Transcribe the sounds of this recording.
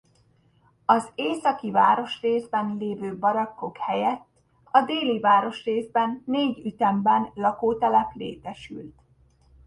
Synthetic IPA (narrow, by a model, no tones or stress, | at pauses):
ɒzeːsɒkiva̰ːɾo̞ʃreːzbɛnleːvøːbɒɾɒkːo̞khɛjɛt̪ː | ɒd̪eːlivaːɾo̞ʃreːzbɛnːeːɟyt̪ɛmbɛnlɒkoːt̪ɛlɛplḛːt̪ɛʃy̰lt̪